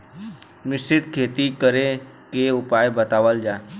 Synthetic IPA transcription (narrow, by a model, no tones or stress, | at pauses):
mɪsɪt̪kʰeːt̪ikəɾe | keʊpaːjbət̪aːʋəld͡ʒaː